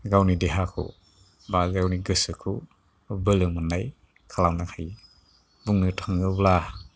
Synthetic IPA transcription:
ɡawnideɦakʰṵ | bazawniɡɯsɯkʰu | bɯlɯmɯnaj | kʰalawnakʰaj | buŋnɯtʰaŋɯbla

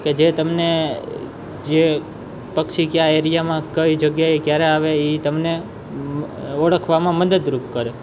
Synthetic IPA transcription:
ked͡ʒet̪əmne | d͡ʒe | pəkʃikjaeɾijamãkəʋid͡ʒəɡjaekjaɾeaʋeit̪əmne | əɽəkʰʋamãməd̪əd̪ɾupkəɾe

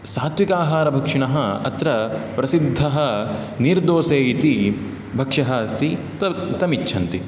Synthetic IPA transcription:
saːt̪ʋikaːɦaːɾɐbʱɐkʂiɳɐɦɐɐ̰t̪ɾɐpɾɐsid̪ʱːɐɦɐ | niɾd̪oːseːit̪i | bʱɐkʂɐɦɐɐst̪ʰi | t̪ɐt̪ɐmitːʃʰɐnt̪i

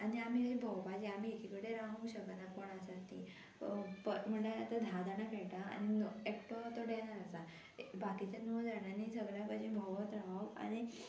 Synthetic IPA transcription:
aniam̤iad͡ʑibʱəwpad͡ʑiam̤iekʰikəɽeɾãɦəuɕək̪nakoɳ̃asaɾt̪i | pəm̤əɳleat̪ad̪ʱad̪anakeʈaa̰ñinekʈot̪oɖɛɳ̃aɾəsa | bakit͡ɕanod͡zaɽanisəɡɭjapəd͡ʑibʱəwət̪ɾãɦə̃a̰ɽ̃i

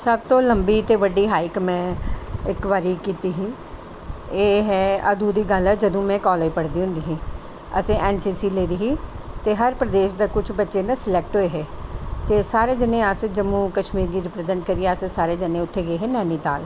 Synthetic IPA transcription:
səb̚t̪õːləmbiːt̪eːʋəɖːiːɦaːikmɛ̃ːɪkʋaːɾiːkiːt̪iːɦiː | eːɦɛːəd̪uːd̪iːɡəlɛːd͡ʒəd̪õːmɛ̃ːkɔːleipəɽd̪iːɦʊ̃nd̪iːɦĩː | ə̰sẽːʔɛːnsiːsiːleːd̪iːɦiː | t̪eːɦəɾpɾəd̪eːʃd̪aːkʊt͡ʃʰbətːʃeːnãːsɪlɛːk̚ʈɦoeːɦɛːt̪eːsaːɾeːd͡ʒɪnẽːəsd͡ʒəmuːkəʃmiːɾiːɾɪpɾəd̪ənkəɾiɛːəssaːɾeːd͡ʒənẽːʊt̪ʰːeːɡeːɦeːnɛːniːt̪a̰ːl

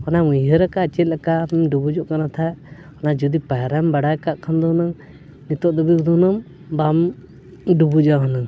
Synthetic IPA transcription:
ɔnamuɦəɾəkat͡ʃɛt̪̚ˀlakamɖubud͡ʒɔʔkanat̪ʰa | ɔnad͡ʒud̪ipaɾambaɽajkaʔkʰand̪ɔnaŋ | nit̪ɔʔd̪ɔbiud̪ɔnɔm | bam | ɖubud͡ʒɔaɦɔnaŋ

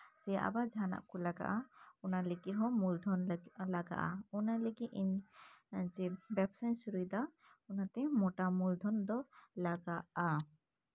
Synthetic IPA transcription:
sɛja̰ʔa̰bad͡ʒʱana̰ʔkɔlaɡa̰ʔaɔnaleɡiɦɔ̃mulɖʱɔnlaɡa̰ʔa̰ɔnaleɡiʔin | d͡ʒɛbɛpsansuɾud̪a | ɔnat̪ɛmɔʈamulɖʱɔnd̪ɔlaɡaʔa

